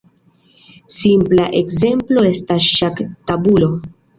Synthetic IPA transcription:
simplaʔekze̞mplo̞e̞stasʃaktabulo̞

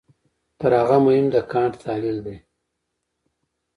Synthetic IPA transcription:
t̪əɾhaɣamʊhɪmd̪əkɑːɳʈt̪ɑːlild̪e

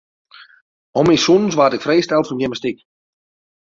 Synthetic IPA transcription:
ɔmisunsʋatɪkfrejstɛlˠfɔnjɛməstik

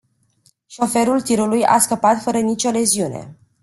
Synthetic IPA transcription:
ʃo̞fe̞ɾult̪iɾuluja̰skəpat̪fəɾənit͡ʃole̞ziune̞̰

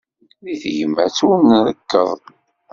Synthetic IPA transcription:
ðiθʝəmːæt͡sunðəkːə̰ðˤ

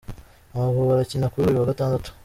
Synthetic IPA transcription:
amaβuβaɾacinakuoɾiβaɡataːndatu̥

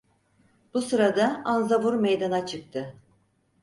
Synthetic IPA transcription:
b̥usɯɾad̪aanzavuɾmejd̪anat͡ʃʰɯk̚t̪ʰɯ

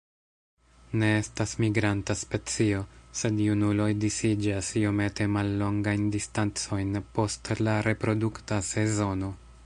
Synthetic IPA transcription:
ne̞estasmiɡɾantaspe̞t͡sio̞se̞djunulo̞jdisid͡ʒasiome̞te̞malːo̞ŋɡajndistant͡so̞jnpo̞stlaɾe̞pɾo̞duktase̞zo̞no̞

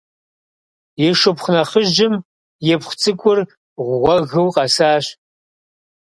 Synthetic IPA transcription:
jɛʂɨpχʷnɐχəʒɪm | jɛpχʷt͡sʼɨkʷʼʊr | ʁʷʁʷɔɣɨwqʼɐsaːɕ

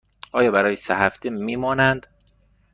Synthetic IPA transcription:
ʔɒːjɒːbæɾɒːjesehæft̪emiːmɒːnænd̪̥

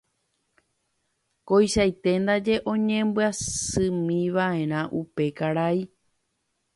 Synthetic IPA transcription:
kojʃajt̪e̞nd̪ad͡ʒe̞ʔõ̞ɲẽ̞mbɨasɨ̃mĩʋaẽ̞ɾ̃ãʔupe̞kaɾai

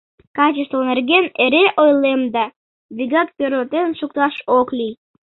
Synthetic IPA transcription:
kat͡ɕɪst̪vˠneɾɡeneɾeʔojlˠemd̪a | vʲiɡat̪̚pʲeɾot̪enʃuk̚t̪aʃoklʲij

